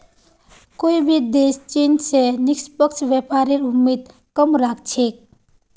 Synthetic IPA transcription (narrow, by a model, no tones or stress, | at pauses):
koibʱid̪est͡ʃensenikspəkt͡ʃʰʋjepaɾeɾumːid̪ | kəmɾak̚ʰt͡ʃʰek̚